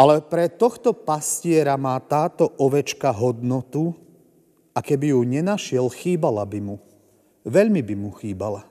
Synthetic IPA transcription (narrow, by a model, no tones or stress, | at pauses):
alɛpɾɛt̪ɔxt̪ɔpascɪɛɾamaːt̪aːt̪ɔʔɔʋɛt͡ʃkaɦɔd̪nɔt̪u | akɛbijuɲɛnaʃɪɛlxiːbalabimu | ʋɛʎmibimuxiːbala